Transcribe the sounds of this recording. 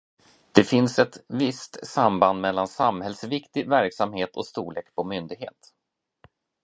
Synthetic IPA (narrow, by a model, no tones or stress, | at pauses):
d̪̥ɛfɪnsɛt̪vɪst̪samband̪mɛlːansamhɛlsvɪkt̪ɪvæɾksamheːt̪ʰɔ̰st̪uːɭeːkpʰɔmʏnd̪ɪɡhḛːt̪